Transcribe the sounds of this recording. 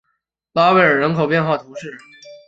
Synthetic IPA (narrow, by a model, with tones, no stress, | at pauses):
la˧˥ʊwe˧˥ɪə˞˨˩ɻə˧˥nkʰo˨˩ʊpjɛ˥˧nxwa˥˩t̪ʰu˧˥ʂɻ̩˥˩